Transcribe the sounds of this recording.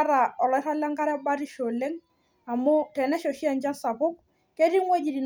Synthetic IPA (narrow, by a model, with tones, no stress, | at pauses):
ɾa˨ɔ˨lɔ˨˦ɪ˦ta˦la˦ŋka˦ɾɛ˦ba˦ɾi˦ʃo˨lɛ˦ŋ | a˨mo˦tɛ˨nɛ˦ʃo˨ʃi˦a˨nd͡ʒa˦nsa˨pʊ˦k | ke˦ɾi˦ŋwe˦d͡ʒi˨ɾi˨n